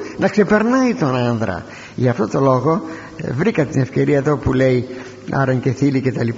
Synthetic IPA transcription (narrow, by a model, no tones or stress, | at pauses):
nɐkse̞peɾnɐit̪onɐnðɾɐ̰ | ʝʝɐft̪o̞t̪o̞lo̞ɣo̞ | vɾikɐt̪ine̞fce̞ɾiɐeðo̞pulei | ɐ̰ɾɐɲceθilicet̪ɐlip